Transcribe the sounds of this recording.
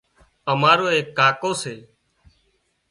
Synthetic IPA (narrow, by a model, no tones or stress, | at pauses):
əmaːɾoːeːkːaːkoːseː